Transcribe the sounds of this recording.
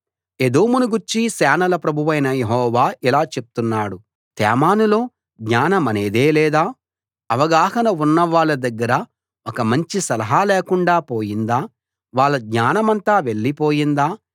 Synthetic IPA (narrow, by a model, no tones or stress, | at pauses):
ed̪oːmunuɡuɾt͡ʃisɛːnɐlɐpɾɐbʱuʋɐjnɐjeɦɔːʋaːʔilaːt͡ʃe̞p̚u̥t̪unːaːɽu | t̪ɛ̰ːmaːnulo̞ː | ɡ̪ɲaːnɐmɐne̞ːd̪eːlɛːd̪aː | ɐʋɐɡaːhɐnɐunːɐʋaːɭːɐd̪ɐɡːɐɾɐ | okɐmɐɲt͡ʃisɐlɐɦaːleːkuɳɖaːpoːjind̪aː | ʋaːɭːɐɡ̪ɲaːnɐmɐnt̪aːʋe̞ɭːipo̞ːjind̪aː